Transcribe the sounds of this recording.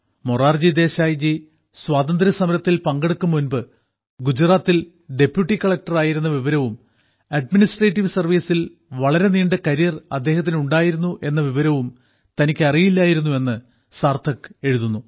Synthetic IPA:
moraːrd͡ʑid̪e̞ːɕaːjd͡ʑi | swaːd̪ɐnd̪ɾɐsɐmɐɾɐt̪ːilpɐŋɡeɽukːumːunbɨ | ɡud͡ʑraːt̪ːil | ɖe̞pjuʈːikɐɭɐk̚ʈɐraːjiɾunːɐʋiʋɐɾɐʋum | ɐɖ̚minisʈreːʈːiʋsɐrʋiːsil | ʋɐɭɐɾe̞niːɳɖɐkɐɾijɐrɐ̰d̪ːe̞ːhɐt̪̬ːinuɳɖaːjiɾunːuʔe̞nːɐʋiʋɐɾɐʋum | t̪ɐnikʲːɐrijilːaːjiɾunːue̞nːɨ | saːrt̪ʰɐkːe̞ɻuðunːu

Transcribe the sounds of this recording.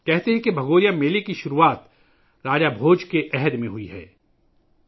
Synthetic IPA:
kɛɦt̪eɦɛ̃kebʱɐɡoːɾijameːlekiʃʊɾuaːt̪ | ɾaːd͡ʒabʱoːd͡ʒkeʔɛɦɛd̪mẽɦʊiɦɛ̰ː

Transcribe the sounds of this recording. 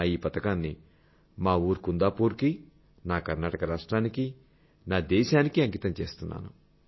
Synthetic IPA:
iːpɐt̪ɐkaːnːi | maːuːɾukund̪aːpuːɾki | naːkɐɾnaːʈɐkɐɾaːʂʈɾaːniki | naːd̪ɛːʃaːnikiɐŋɡit̪ɐmt͡ʃeːst̪unːa̰ːnu

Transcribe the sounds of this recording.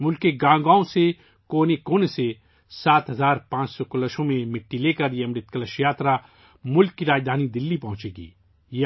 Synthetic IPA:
mʊlkeɡãːɡãːõse | koːnekoːnese | saːt̪ɦɐzaːɾpãːt͡ʃsɔkʊləʃõmẽmɪʈːileːkəɾjeɐmɾɪt̪̚kələʃjaːt̪ɾa | mʊlkːiɾaːd͡ʒd̪ʱaːnid̪ɪlːipɐ̃ɦʊ̃t͡ʃeːɡḭː | j

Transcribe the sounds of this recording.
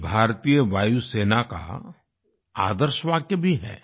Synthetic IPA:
bʱaːɾt̪ijəʋaːjuseːnaka̰ | a̰ːd̪əɾʃʋaːɡjəbʱiɦɛ̰ː

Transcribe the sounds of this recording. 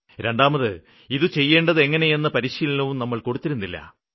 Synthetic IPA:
ɾeɳɖaːmɐðɨ | iðɨt͡ɕe̞jːe̞ːɳɖɐðe̞ŋːɐne̞je̞nːɐpɐɾiːɕijlɐnɐʋumnɐmːɐɭko̞ɽut̪ːiɾunːilːɐ̰

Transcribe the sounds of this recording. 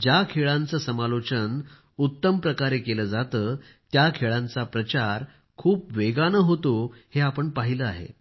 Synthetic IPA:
d͡ʑjakʰeɭãnt͡səːsəmalot͡ɕən | ut̪ːəmpɾəkaɾekeləːd͡zat̪əː | t̪jakʰeɭãnt͡sapɾət͡ɕaɾ | kʰuːpʋeɡanəɦot̪oheapəɳpaɦiləaɦḛ

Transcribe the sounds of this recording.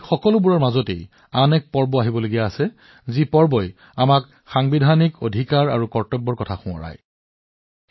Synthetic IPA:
xɔkɔlʊbuɹɔɹmazɔtḛj | anɛk̚pɔɹbɔaɦibɔloɡijaːsɛ | zipɔɹbɔj | amak | xaŋbidʱaniko̰dʱikaɹa̰ɹukɔɹtɔbːɔɹkɔtʰaxʊ̃ɔ̰ɹa̰j

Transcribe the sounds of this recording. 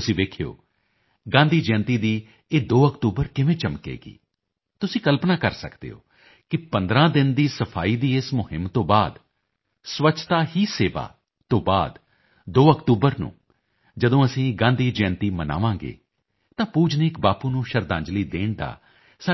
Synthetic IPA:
t̪ʊsĩːʋeːkʰjo̰ː | ɡãːnd̪iːd͡ʒɛ̃ːnt̪iːd̪iː | eːd̪oːəkt̪uːbəɾkɪʋẽːt͡ʃəmkḛːɡḭː | t̪ʊsĩːkəlpnaːkəɾsəkd̪ḛːɦo̰ː | kɪpə̃nd̪ɾãːd̪ɪnd̪iːsəpʰaːiːd̪iːɪsmʊɦɪmt̪õːbaːd̪ | sʋət͡ʃʰt̪aːɦiːseːʋa̰ː | t̪õːbaːd̪ | d̪oːəkʈ̪uːbəɾnṵ̃ː | d͡ʒəd̪õːəsĩːɡãːnd̪iːd͡ʒɛ̃ːnt̪iːməna̰ːʋãːɡḛː | t̪ãːpuːd͡ʒnɪkbaːpuːnũːʃəɾd̪ãːɲd͡ʒliːd̪eːɳd̪a̰ː | saː

